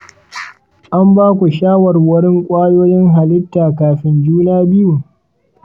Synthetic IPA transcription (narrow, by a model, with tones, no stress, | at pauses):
ʔa˦mbaː˦kʷu˨ʃaː˦wɐ˨rwɐ˦ɽɪ˦ŋkʷʼaː˦joː˦jɪ˦ŋɦa˨lɪ˦tːaː˨kaː˨ɸɪ˦nd͡ʒuː˦naː˦bɪ˦ju˨